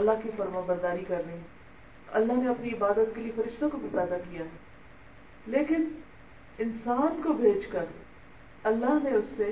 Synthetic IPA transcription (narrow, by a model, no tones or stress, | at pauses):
ɐlːaɦkifɐɾmãbəɾd̪aːɾikɐɾnẽ | ɐ̰lːaɦneɐpniɪbaːd̪ət̪̚kelijefɐɾɪʃt̪õkobʱipɛːd̪akijaːɦɛ | leːkɪn | ɪnsaːnkobʱeːd͡ʒkəɾ | ɐlːaɦneʊsːe